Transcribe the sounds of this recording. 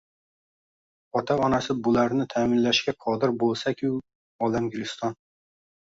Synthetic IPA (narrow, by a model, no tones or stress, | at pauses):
ɒt̪ʰaɒnasɪbʊlaɾnɪt̪ʰamɪnlaʃkʲaqʰɒd̪ɪɾbolˠsakʲʰʊ | ɒlamɡʲɪɾɪst̪ɒn